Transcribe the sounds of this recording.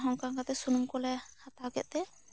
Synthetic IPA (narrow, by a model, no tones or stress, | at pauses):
ɦɔŋkaŋkat̪ɛsunumkɔlɛhat̪aɡɛʔ̚t̪ɛ